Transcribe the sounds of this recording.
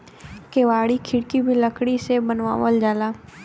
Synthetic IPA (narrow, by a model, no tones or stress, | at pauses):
keːʋaːɽikʰɪɽkibʱiləkɽisebənʋa̰ːʋəld͡ʒaːlaː